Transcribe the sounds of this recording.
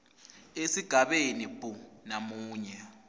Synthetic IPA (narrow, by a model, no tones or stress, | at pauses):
esiɡ̥ʱaɓenibʼunamuːɲɛ